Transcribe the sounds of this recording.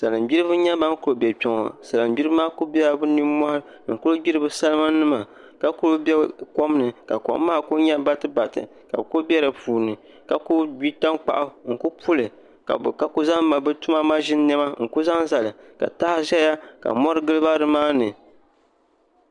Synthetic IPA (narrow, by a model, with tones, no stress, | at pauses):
sa˨lɨ˨mbi˦ɾɨ˦bɨ˦ɲa˦ba˦ŋ˦kʊ˨o˨bɛ˨pʲɔ˨ŋɔ̰˨sa˨lɨ˨mbʲi˦ɾɨ˦maː˦ko˦bɛ˦a˨bɨ˦ni˦ma˦hɾɨ˦˨ku˦ɾo˦bi˦ɾɨ˦bɨ˦sa˦lɨ˦ma˦nɨ˦ma˨ | ka˨ku˦o˦bɛ˦kɔ˦m˦nɨ˨ka˨kɔ̰˨ʔmːaː˦ko˦ɲɛ˦ba˦tɨ˦ba˨tɨ̰˨ | ka̰˨bko˦bʲɛ˦ɾɨ˨puː˨nɨ˨ | ka˨ko˦bi˦ta˦ŋk͡pa̰˨ʔa˦ŋ̩˨ko˦pʰu˦lɨ˨ | ka̰˨bka˦ko˦za˦ŋma˨bɛ˦tu˦ma˦ma˦ʒɪ˦n˦nɛ˦ma˦ŋ̩˨ko˦za˦ŋza˨lɨ˨ka̰˨ta˦hʒɛ˦ja˦ka̰˨mɔ˦ɾɨ˦ɡɨ˦lɨ˦ba˦ɾɨ˨maː˦nɨ˨